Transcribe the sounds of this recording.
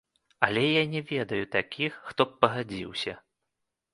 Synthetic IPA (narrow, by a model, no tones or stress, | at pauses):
ɐlʲɛjanʲɛvʲɛd̪ɐjut̪akʲixːt̪ɔp̚pːɐɣad͡zʲiwsʲɐ